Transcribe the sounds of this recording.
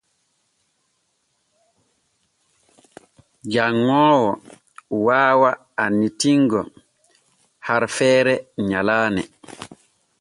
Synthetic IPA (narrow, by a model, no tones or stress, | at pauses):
d͡ʒaŋːɔːwɔ | waːwa | anitiŋɡɔ | haɾfɛːɾɛɲalaːnɛ̰